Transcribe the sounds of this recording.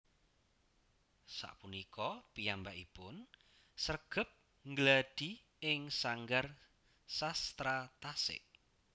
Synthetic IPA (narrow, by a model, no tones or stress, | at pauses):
sa̰ʔpunikɔpijambaʔipʊn | sərɡ̥ə̤p̚ | ŋɡlad̥i̤ | ɪŋsaŋɡar | sast̪ɾat̪asɪ̰ʔ